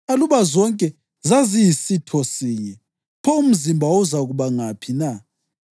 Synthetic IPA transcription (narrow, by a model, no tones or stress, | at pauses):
aluβazɔŋkʼɛ | zazijisitʰɔsiɲɛ | pʰɔum̩zimbʱaɔzaɣuβaŋapʰina